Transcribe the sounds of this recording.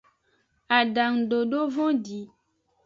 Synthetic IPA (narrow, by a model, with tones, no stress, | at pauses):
a˨ɖa˨ŋɖo˨ɖo˦vɔ̃˦di˨˦